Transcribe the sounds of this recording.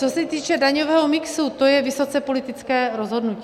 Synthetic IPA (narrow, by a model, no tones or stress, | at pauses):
t͡sosɛt̪iːt͡ʃɛdaɲovɛːɦomɪksut̪ojɛvɪso̞t͡sɛpo̞lɪt̪ɪt͡skɛːɾozɦo̞dnucː